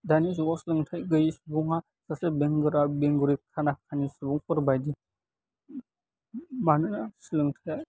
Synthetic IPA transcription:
danis̬ɔɡɔsilɯŋtʰajɡɯjisubuŋa | sasebeŋɡɯɾabeŋɡɯɾikʰanakʰanisɯbɔŋpʰɯɾbajdi | manɯnasilɯŋtʰaja

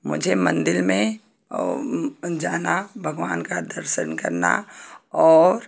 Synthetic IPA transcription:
mʊ̰d͡ʒʱemɐ̰̃nd̪ɪlmẽ | d͡ʒaːnabʱɐɡʋaːnkad̪əɾʃənkɐ̰ɾna̰ɔːɾ

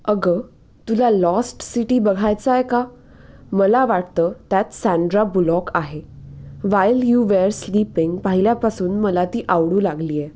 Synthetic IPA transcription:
əɡə | t̪ulalɔsʈsiʈiːbəɡʱajt͡saeka | məlaʋaʈt̪əːt̪jat̪sãɳɖɾabulɔkaɦeʋajljuʋeɾslipiŋɡpaɦiljapasuːnməlat̪iːʔaʋɽuːlaɡliːje

